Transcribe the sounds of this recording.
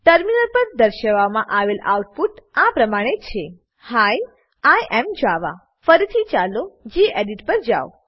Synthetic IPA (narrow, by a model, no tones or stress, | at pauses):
ʈəɾminəɾpəɾd̪əɾʃəʋamãʔaʋela̰uʈpuʈãpɾəmaɽ̃et͡ʃʰe | haj | ajʔɛmd͡ʒaʋa̰ | fəɾit̪ʰit͡ʃalod͡ʒiʔeɖiʈpəɾd͡ʒa̰o